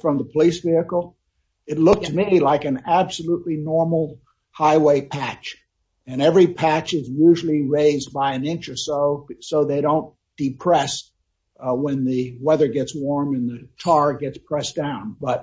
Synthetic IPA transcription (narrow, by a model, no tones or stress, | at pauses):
fɹʌ̃mðəpʰəlisv̥iɨkl̩ˠ | ɨtˡlʊk̚ɨt̚milaɪkɨ̃næb̥səluʔˡlinɔɹml̩ˠ | haɪweɪpʰæt͡ʃ | ɨ̃nɛvɹipʰæt͡ʃɨzjʉʒl̩ˠiɹeɪzbaɪɨ̃nɪ̃nt͡ʃə˞soʊsoʊðeɪɾõʊ̃n | d̥ɨpʰɹ̥ɛs | wɨ̃nðɨwɛðə˞ɡɛtswɔɹmɨ̃nðɨt͡ʃʰɑɹɡɛtspʰɹ̥ɛsd̥ãʊ̃nbʌt̚